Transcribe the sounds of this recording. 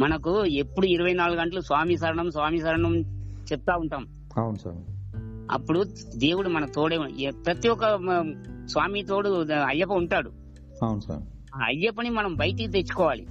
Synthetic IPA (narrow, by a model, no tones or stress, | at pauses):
mɐnɐkːuepːuɽuiɾɐʋɐjnaːlɯɣɐɳʈɐlusʋaːmis̬ɐɾɐɳɐmsʋaːmisɐɾɐɳɐmt͡ʃɛp̚t̪aːuɳʈaːm | aːwnsa̰ːɾ | ɐ̰pːuɽu | d̪eːʋuɽumɐnɐkːt̪oːɽeːpɾɐt̪ːijɔkːɐ | sʋaːmit̪̬oːɽuɐjːɐpːɐuɳʈaːɽu | aːwnsa̰ːɾ | aːɐ̰jːɐpːɐnimɐnɐmbɐjɐʈ̪ikit̪et͡ʃːu̥kɔːʋaːɭḭ